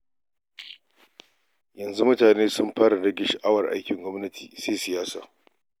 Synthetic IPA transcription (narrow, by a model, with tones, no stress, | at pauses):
jɐ˨nzu˦mʊ˦taː˨neː˦sʊ˦mɸaː˦ɾɐ˨ɽɐ˦ɡʲɪ˨˦ʃa˨ʔa˦wɐ˨rʔa̰˦jkʲɪ˨ŋɡʷɔ˦mnɐ˦tʰi̥̰ː˨seː˦sɪ˨jaː˦sa̰ː˨